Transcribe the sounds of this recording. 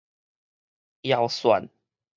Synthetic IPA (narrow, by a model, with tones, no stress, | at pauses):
ja˨˦ʊwswa̰˨˦n